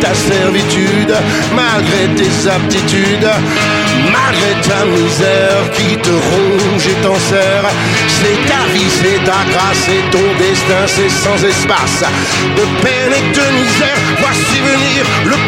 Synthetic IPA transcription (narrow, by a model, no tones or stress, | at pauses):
t̪asɛʁvit̪y | d̪ | malɡʁet̪ezap̚t̪it̪yd̪ | malɡʁet̪amizɛ | ʁkʲit̪əʁɔ̃ | ʒet̪ɑ̃sɛ | ʁ | sɛt̪avisɛt̪aɡʁasɛt̪ɔ̃d̪ɛst̪ɛ̃sɛsɑ̃zɛspas | d̪əpɛnɛd̪əmizɛʁ | vwasivəniʁ | lə